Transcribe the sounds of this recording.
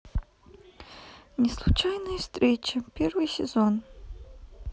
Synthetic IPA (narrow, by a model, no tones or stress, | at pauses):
nʲɪslˠut͡ʃajnɨjɐfst̪ɾʲet͡ʃɐpʲervɨjsʲɪzon